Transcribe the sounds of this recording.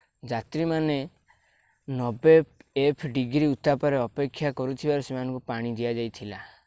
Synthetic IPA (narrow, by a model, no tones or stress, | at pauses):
d͡ʒat̪ɾimane | nɔbeepʰɖiɡɾiut̪apaɾeɔpekʰːjakɔɾut̪ʰibaɾɔsemanɔ̃ŋkupaɽ̃id̪iad͡ʒajt̪ʰila